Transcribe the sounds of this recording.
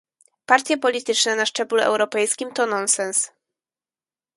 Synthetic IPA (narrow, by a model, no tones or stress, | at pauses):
paɾt̪ʲjɛpɔlʲit̪ɘt͡ʂnɛnaʂt͡ʂɛbluɛ̰wɾɔpɛjskʲimt̪ɔnɔnsɛns